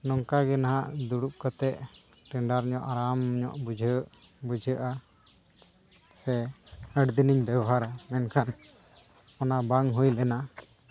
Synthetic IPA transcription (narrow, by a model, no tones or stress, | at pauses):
nɔŋkaɡɛnaɦaʔd̪uɽup̚kət̪ɛʔ | ʈɛɳɖaɾɲɔʔaɾamɲɔ̰ʔbud͡ʒʱəʔ | bud͡ʒʱəʔa | sɛ | əɽd̪iniɲbɛbɔɦaɾamɛnkʰan | ɔnabaŋɦujlɛna